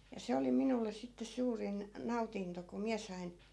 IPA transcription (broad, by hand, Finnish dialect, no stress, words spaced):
jɑ se oli minulːes̆ sitːe suːrin nɑutinto ko miæ sɑin̞